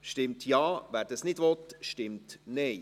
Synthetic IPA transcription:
ʃtɪmt̪ʰjɑːvæːɾd̪ɑsnɪd̥ʋɔt̪ʃtɪmtnɛɪ

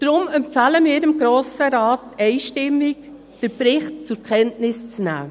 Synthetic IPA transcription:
d̥ɾʊmɛmpfæləmɪːɾɪmɡɾoːsəɾɑːtːɛɪʃtɪmːik | d̥əɾpɾɪχt̚t͡sʊɾkʰɛntnɪst͡snæ̰ː

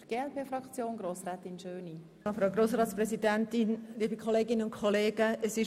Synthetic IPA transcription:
ɡ̥eːɛlpʰeːfrɑkt͡sjoːnɡɾoːsɾɛːt̪ɪnʃøːni | fɾaɡɾoːsɾɑːtsprɛsidɛntɪnliːbəkʰχɔleːɡɪnəʊnkʰɔleːɡ̥əəsɪʃ

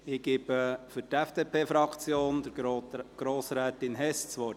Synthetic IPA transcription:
ɪɡ̥ɪbəfʏɾtɛfd̥epʰeːfɾɑkt͡sjoːnd̥əɡ̥ɾoːsɾɛːt̪ɪnɦɛst͡sʋɔɾ

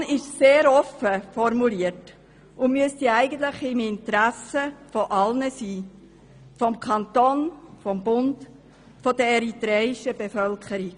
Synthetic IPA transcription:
nɪʃseːɾɔfəfɔɾmuliət | ʔʊmyəstɛæɪɡən̩t̪ləχɪmɪntɾæsəfoʔɑlnəsiː | fɔmkʰɑnt̪onfɔmbʊnd | fɔd̥əɛɾitɾɛɪʃəb̥efœlkʰəɾik

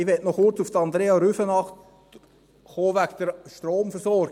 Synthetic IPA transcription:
ɪʋɛtnɔχʊrt͡suft̪ɑnd̪ɾeːɑɾyfənɑχt | χoːʋæɡd̪̥əɾʃtɾoːmfəɾsɔɾɡ

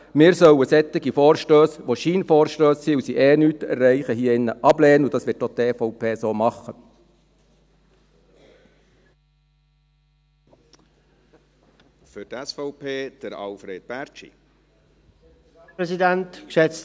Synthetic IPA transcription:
mɪːɾsœwəsɛt̪ːɪɡifɔːɾʃtøːsʋoʃiːnfɔːɾʃtøːssiːusiʔɛːnyːt̪ɛɾːɛɪχəɦiːəɪnːəʔɑblɛːnəʊd̥̪ɑːsʋɪtːoχd̪ɛfɔʊpʰeːsoːmɑχə | fʏtɛsfɔʊpʰeːd̥əɾɑ̰lfɾeːd̥̪̚bæɾt͡ʃḭ | ɾɛsidɛntkʃɛt͡s

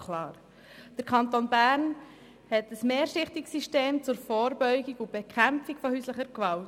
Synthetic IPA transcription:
kʰlɑːɾ | d̥əɾkʰɑnt̪onbæːɾn | hɛtəsmeːɾʃɪχtiksiʃteːmt͡sʊɾfɔːɾbœʏɡiɡʊb̥ekʰχæmpfikfɔhyːsləχəɾkʋɑlt

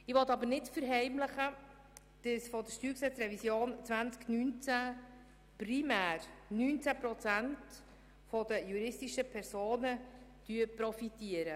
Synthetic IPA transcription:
ɪʋɔt̪ɑbənɪtfəɾɦɛɪmləχə | d̥əsfɔd̪əʃtyːksɛt͡sɾɛvisjoːnt͡svænt͡sknynt͡sæ | primæːɾnyːnt͡sæpɾɔt͡sænt | fɔdəjuɾɪstiʃəpʰɛɾsoːnəd̥yəpɾɔfitiəɾə

